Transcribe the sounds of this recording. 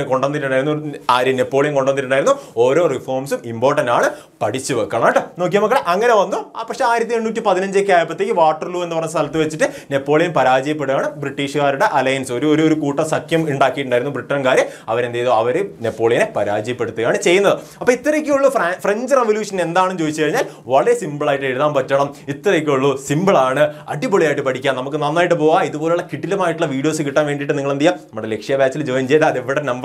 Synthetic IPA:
ko̞ɳɖɐniʈ̬ːuɳɖaːjiɾunːuaːɾjɐnepːo̞ːɭijɐmko̞ɳɖonːiʈːuɳaːiɾunːuoːɾo̞ːrifo̞ːrmsumimbo̞ːrʈɐndaːɳɨ | pɐɽit͡ɕːɨʋekːɐɳɐʈːɨno̞ːk̬ːijɐmɐkːɐɭeʔɐŋːɐne̞ʋɐnːupɐkʂeaːjiɾɐt̪ːieɳːuːtːipɐðinɐɲd͡ʑek̬ʲːaːjpːɐt̪ːeːkʲːɨʋaːʈːɐrluːe̞nːɨpɐɲːest̪ɐlɐt̪ːɨʋet͡ɕːiʈːɨne̞pːo̞ːɭijɐmpɐɾaːd͡ʑɐjɐp̬ːe̞ɽuɣaːɳɨbriʈːiːʂɨɣaːɾuɽe̞ʔɐlɐjɐnsoɾuoɾuoɾukuːʈːɐsɐkjɐmiɳɖaːkːijiʈːuɳɖaːjiɾunːubriʈːɐɐnkaːɾjɐmɐʋɐɾend̪aːjɐðoɐʋɐɾenepːo̞ːɭijɐnepɐɾaːd͡ʑɐjɐpːe̞ɽut̪ːuɣaːɳɨt͡ɕe̞jːunːɐðɨɐpːoːit̪ːɐɾekʲːeuɭːuffreɲd͡ʑreʋoljuːʂɐne̞nd̪aːɳɨnt͡ɕoːðit͡ɕːɨkɐɻiɲːaːl | ʋɐɭɐɾesimbɭaːjiʈːɨeɾuðaːmpɐtːɐɳɐmit̪ːɐɾekʲːeuɭːusimbɐɭaːɳɨɐ̰ɖiboɭijaːjʈːɨpɐʈʰikʲːaːnɐmukːɨnɐnːaːjiʈ̬ːɨpo̞ːɣaiðubo̞ːleuɭːɐkiʈːilɐmaːjiʈːuɭːɐʋiːɽijo̞ːsɨkiʈːaːnʋeːɳɖiʈːɨniŋːɐɭend̪ijːaːnɐmːuɽele̞kʂijɐbjaːt͡ɕːild͡ʑoːjɐmt͡ɕejɐt̪ːɐɐðeʋːiɽenɐmb

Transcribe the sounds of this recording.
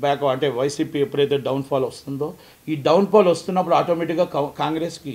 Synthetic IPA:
bɛːkɐɐɳʈe̞ːʋɐjsiːpiepːuɾɐjt̪eːɖɐwnpʰaːlʋɐst̪und̪o̞ː | iːɖɐwnpʰaːlʋɐst̪unːɐpːuɽuaːʈoːmeʈikɡaːkkaːŋɡɾeːski

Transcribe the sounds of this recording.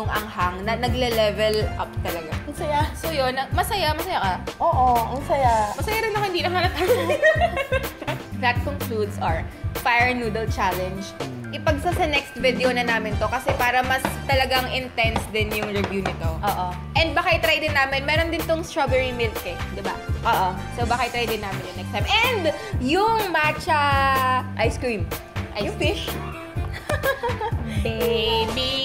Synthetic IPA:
nʊŋɐŋhaŋnɐnɐɡlɛlɛvɛlʔʔapt̪ɐlɐɡaɐsɐjasojonɐmɐsɐjamɐsɐjakɐʔoːʔoɐsɐjamɐsɐjaɾɪnːɐkɐhɪnd̪iːlɐŋanɐt̪aj | d̪ɐt̪̚koŋklud̪sɐɹfajɛɹnuːd̪ɐlt͡ʃalɛnd͡ʒʔɪpɐɡ̚sɐsɐnɛkst̪vɪd̪ɛonɐnaːmɪnt̪o̞kɐsɛpaːɾɐmɐst̪ɐlɐɡaŋʔɪnt̪ɛnsd̪ɪnjʊŋɹɛvjuːnɪt̪o̞ʔoːʔo | ʔɛnd̪̚bakajt̪ɾajd̪ɪnːaːmɪnmɛːɾond̪ɪnt̪oŋst̪ɹabɛɹimɪlkːɛd̪ɪbaʔoːʔo | sowbakajt̪ɾajd̪ɪnːaːmɪnjʊŋnɛkst̪ajmʔɛnd̪jʊŋmat͡ʃɐ | ʔajskɹim | ʔɐjʊfɪʃ | bebi

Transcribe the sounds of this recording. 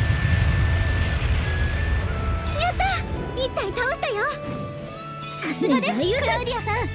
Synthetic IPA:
jot̪ːait̪ːait̪aoɕi̥t̪ajo | sasɨɡad̪esajɯt̪aenʲiasa

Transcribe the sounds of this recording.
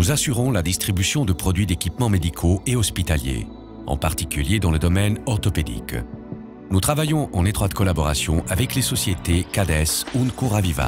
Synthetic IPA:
nuzasyʁɔ̃lad̪ist̪χibysjɔ̃d̪əpχɔd̪ɥid̪ekʲipmɑ̃med̪ikʰoeɔspit̪aljḛ | ɑ̰̃paʁt̪ikʲyljed̪ɑ̃ləd̪ɔmɛnɔʁt̪ɔped̪ḭk | nut̪χavajɔ̃ʔɑ̃net̪χwat̪kɔlabɔʁasjɔ̃ʔavɛklesɔsjet̪ekad̪ɛsunkuʁaviva̰

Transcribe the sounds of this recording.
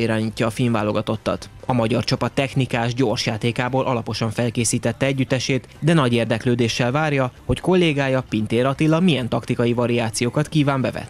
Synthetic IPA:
iɾaːɲiːcːɒːfilɱvaːlo̞ɡɒt̪o̞t̪ːɒ̰t̪ɒmɒɟɒrt͡ʃɒpɒt̪ːɛxnikaːʒɟo̞rʃjaːt̪eːkaːboːlʔɒlɒpo̞ʃɒɱfɛlkeːsiːt̪ɛt̪ːɛɛɟːyt̪ːɛʃeːt̪d̪ɛnɒɟeːrd̪ɛkløːd̪eːʃːɛlvaːrjɒho̞cko̞lːeːɡaːjɒpint̪eːɾɒt̪ilːɒmijɛnt̪ɒkt̪ikɒjivɒɾiaːt̪sijoːkɒt̪kiːvaːmbɛvɛ̰t̪ː

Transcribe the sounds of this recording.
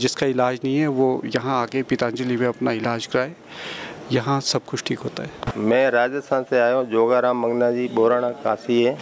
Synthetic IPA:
d͡ʒɪskaɪlaːd͡ʒnɐɦĩɦɛʋojɐɦãaːkepɪt̪ãːnd͡ʒəlimẽɐpnaɪlaːd͡ʒkɐɾaːeː | jɐɦãsɐb̚kʊt͡ʃʰʈʰiːkɦoːt̪aɦɛːmɛ̃ːɾaːd͡ʒəst̪ʰaːnseaːjõd͡ʒoːɡaːɾãːmːɐ̃ŋɡnaːd͡ʒiːɓoːɾaːɽ̃akaːsiɦɛː

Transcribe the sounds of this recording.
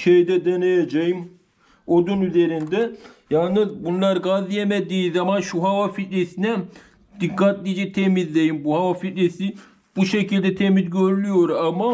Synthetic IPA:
ʃejd̪ɛd̪enejed͡ʒejim | od̪unyze̞ɾind̪ɛjalˠnɯzbunlˠaɾɯɡazijemed̪iːzamanʃuɦavafit̪lesinɛ | d̪̥ikʰːat̪lʲid͡ʒɛt̪ʰemizlʲejimbuhavafit̪lesi | b̥uʃecʰilʲd̪ɛt̪ʰemizɟøɾylʲyjo̞ɾama

